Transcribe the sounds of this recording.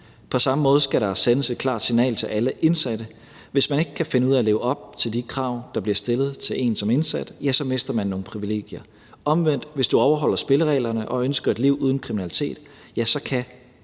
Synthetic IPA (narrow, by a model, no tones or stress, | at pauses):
pʰɒ̽sɑ̈məmɔ̽ːð̞ˠsɡ̥æɾɑ̈senəse̝d̥̚kʰlɑ̰̈ːd̥sinɛ̰ːlt͡sʰe̝lʔæləʔe̝nsæd̥ə | ʋe̝smæne̝ɡ̥ə̥kʰæfe̝nəuð̰ˠæle̝ːʊəɒ̽b̥̚t͡sʰe̝ld̥ikʰʁɑ̈ʊ̰d̥ɑ̈b̥liɐsd̥e̝lð̞̩ˠt͡sʰe̝lʔe̝̰ːnsɒ̽me̝nsæd̥jæsɒ̽me̝sd̥ɐmænːo̝ːn̩pʰʁiʋile̝̰ːɡ̥jɐ | ɒ̽mʋen̰d̥ʋe̝sd̥uɒʊɐɦɒ̽l̰ɐsb̥e̝ləʁɛ̰ɪlɐnəʔɒ̽ønsɡ̥ɐe̝d̥liʊuːð̞ˠn̩kʰʁiminælit͡sʰe̝̰ːd̥ | jæsɒ̽kʰæ